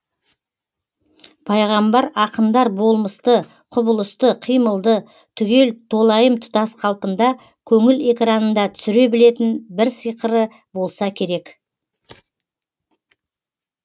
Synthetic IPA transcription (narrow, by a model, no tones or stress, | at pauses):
pʰɑjʁɑmbɑɾɑqənd̪ɑɾbo̞lˠməst̪ə | qʰʊbəlˠəst̪əqʰijməlˠd̪ə | t̪ʰʏɡʲe̞lt̪ʰo̞lˠɑjəmt̪ʰʊ̥t̪ɑsqʰɑlˠpəmd̪ɑ | kʲʰɵŋɪle̞kɾɑnənd̪ɑt̪ʰʏ̥sʏɾe̞bɪle̞t̪ɪnbɪɾsəjqəɾə | bo̞lˠsɑkʲʰe̞ɾe̞k